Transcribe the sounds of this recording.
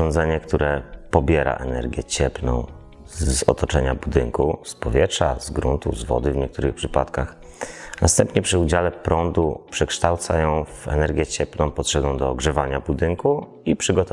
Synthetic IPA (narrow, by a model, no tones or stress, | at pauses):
ɔnd̪zɛɲɛkt̪uɾɛpɔbʲjɛɾa̰ʔɛnɛ̰ɾɡʲjɛt͡ɕɛplnɔ̰̃w̃ | zɔt̪ɔt͡ʂɛɲabud̪ɘŋkuspɔvʲjɛtʂa̰zɡɾunt̪ṵzvɔ̰d̪ɘvɲɛkt̪uɾɘxpʂɘpat̪kax | nast̪ɛmpɲɛpʂɘud͡ʑalɛpɾɔnd̪upʂɛkʂt̪awt̪sajɔ̃w̃vɛ̰nɛɾɡʲjɛt͡ɕɛplnɔ̃w̃pɔt̪ʂɛɡɔ̃w̃d̪ɔːɡʐɛvaɲabud̪ɘŋku | ipʂɘɡɔt̪ɔ